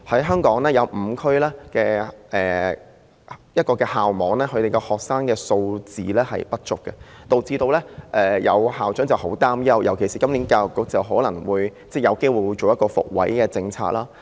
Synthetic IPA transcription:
hɐ˨˥jɦœː˥ŋkɔː˨˥ŋlɛː˥jɐ˨˧wm̩ː˨˧˦kʰɵ˥ɥlɛː˥kɛː˧ʔɛː˨˩ | jɐ˥t̚kɔː˧kɛː˧haː˨wmɔː˨˥ŋlɛː˥kʰɵ˨˧ɥt̪e˨jkɛ˧hɔː˨k̚saː˥ŋkɛː˧so˧wt͡sḭː˨lɛː˥hɐ̰˨˩jpɐ˥t̚t͡ʃʊ˨k̚kːɛ˧t̪o˨wt͡siː˧t̪o˧wlɛː˥ʔɛː˨jɐ̰˨˧whaː˨wt͡ʃœ˨˥ŋt͡sɐ˨˩who˨˥wt̪aː˥mjɐ˥wjʔɐ˨˩wkʰe˨˩jsiː˨kɐ˥mli˨˥nkaː˧jʊ˨˩kːʊ˨˥k̚t͡sɐ˨˩wɦɔː˨˥lɐ˨˩ŋwuː˨˧jt͡sɛː˥˩jɐ˨˧wke˥jwu˨jwu˨˧t͡so˨wjɐ˥t̚kɔː˧fʊ̰˨k̚wɐ̰˨˥jkɛː˧t͡sɪ˧ŋt͡sʰa̰ː˧k̚laː˥

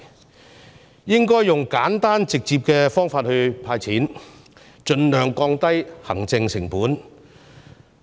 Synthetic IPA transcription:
jɪ˥ŋkɔː˥jːʊ˨˩ŋkaː˨˥nt̪aː˥nt͡sɪ˨k̚t͡siː˨p̚kɛː˧fɔː˥ŋfaː˧t̚hɵ˧ɥpʰaː˧jt͡sʰiː˨˥n | t͡ʃɵ˧nlœː˨˩ŋkɔː˧ŋt̪ɐ˥jhɐ˨˩ŋt͡sɪ˧ŋsɪ˨˩ŋpuː˨˥n

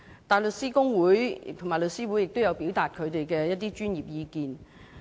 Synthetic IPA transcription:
t̪aː˨˩jlɵ˨t̚siː˥kʊ˥ŋwuː˨˥jt̪ʰʊ˨ŋmaː˨˩jlɵ˨t̚siː˥wuː˨˥jɪ˨k̚t̪o˥wjɐ˨˧wpi˨˥wt̪aː˨t̚kʰɵ˨˧ɥt̪e˨jkɛː˧jɐ˥t̪̚iː˥t͡ʃyː˥nji˨p̚jiː˧kiː˨n

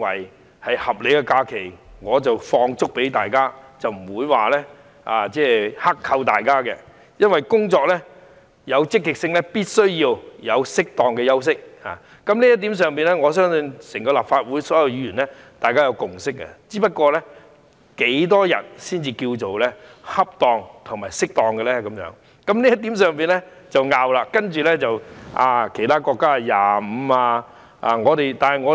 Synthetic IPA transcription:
wɐ̰˨˩j | hɐ˨jhɐ˨p̚le˨˧jkɛ˧kaː˧kʰe˨˩jŋɔː˨˧t͡sɐ˨wfɔː˧ŋt͡sʊ˥k̚pe˨˥jt̪aː˨jkaː˥t͡sɐ˨wm̩˨˩wuː˨˧jwaː˨lɛː˥ | aː˨˧t͡sɛː˥˩hɐ˥kʰɐ˧wt̪aː˨jkaː˥kɛ̰˧ | jɐ˥nwɐ˨jkʊ˥ŋt͡sɔː˧k̚lɛ˥ | jɐ˨˧wt͡sɪ˥kːɪ˨k̚sɪ˧ŋlɛ˥piː˥t̚sɵ˥ɥjiː˧wjɐ˨˧wsɪ˥k̚t̪ɔː˨ŋkɛ˧jɐ˥ws̬ɪ˥k̚ha̰ː˨ | kɐ˨˥mliː˥jɐ˥t̪iː˨˥ms̬œː˨ŋpiː˨nlɛ˥ŋɔː˨˧sœː˥ŋsɵ˧nsɪ˨˩ŋkɔː˧la̰ː˨˩pfaː˧t̚wuː˨˥jsɔː˨˥jɐ˨˧wjyː˨˧jyː˨˩nlɛ˥ | t̪aː˨jkaː˥jɐ˨˧wkʊ˨˩ŋsɪ˥k̚ːɐ̰˧t͡siː˨˥pɐ˥t̚kɔː˧lɛ˥ | ke˨˥jt̪ɔː˥jɐ̰˨˩nsiː˥nt͡siː˧ki˧wt͡so˨wlɛː˥hɐ˥p̚t̪ɔː˨˧ŋt̪ʰʊ˨˩ŋmaː˨˩jsɪ˥k̚t̪ɔː˨ŋkɛ˧lɛ˥kɐ˨˦mjœ̰ː˨˧˥ŋ | kɐ˨˦˥mliː˥jɐ˥t̪i˨˥msœː˨ŋpiː˨nlɛ˥ | t͡sɐ˨wŋaː˨˧wlaː˧kɐ˥nt͡ʃyː˨lɛ˥t͡sɐ˨wʔaː˧kʰe˨˩jt̪ʰaː˥kɔː˧kːaː˥˨jaː˨˩m̩˨˧aː˧ | aː˧ŋɔː˨˧t̪e˨jt̪aː˨˩nɦɐ˨jŋɔː˨˧

